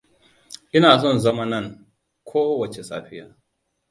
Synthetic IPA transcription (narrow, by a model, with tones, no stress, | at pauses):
ʔɪ˦naː˨sɔ˦˨nzɐ˦ma˦nɐ˦˨ŋ | kʷʰoː˦wɐ˨t͡ʃe˨sa̰ː˦ɸɪ˦jaː˨